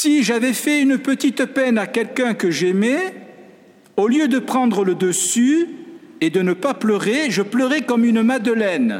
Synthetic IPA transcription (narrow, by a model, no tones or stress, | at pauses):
siʒavɛfɛynəpət̪it̪əpɛnakʲɛlkɛ̃kəʒɛmɛ | oljød̪əpχɑ̃d̪ʁələd̪əsy | ed̪ənəpaplœʁeʒəpləʁɛkɔmynmad̪əlɛn